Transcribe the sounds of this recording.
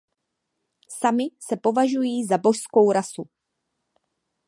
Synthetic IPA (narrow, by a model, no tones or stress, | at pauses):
samɪsɛpo̞vaʒujiːzabo̞ʃsko̞wɾasu